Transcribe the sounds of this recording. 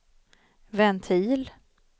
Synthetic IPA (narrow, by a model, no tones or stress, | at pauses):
vɛnt̪ʰiːl